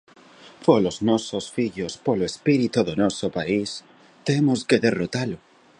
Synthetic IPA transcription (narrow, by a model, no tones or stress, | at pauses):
poloznososfiʎospoloespiɾit̪uðonosopais | t̪emoskeðerot̪alo